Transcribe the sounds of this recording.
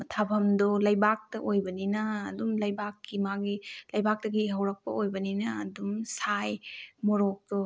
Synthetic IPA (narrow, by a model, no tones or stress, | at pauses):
mɐtʰabʰɐmdolɐjbak̚tɐʔojbɐninɐːdumlɐjbakːimaɡilɐjbak̚tɐɡiɦɐwɾɐk̚pɐ̰ojbɐninɐːdumsajmɔɾok̚do